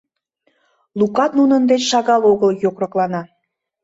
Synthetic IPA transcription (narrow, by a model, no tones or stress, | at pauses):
lukɑt̪nunənd̪et͡ɕʃɑɣɑloɣəljokrɤ̆klɑnɑ